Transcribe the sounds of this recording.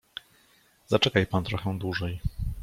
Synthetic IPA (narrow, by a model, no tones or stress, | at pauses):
zat͡ʂɛkajpant̪ɾɔxɛ̃d̪wuʐɛj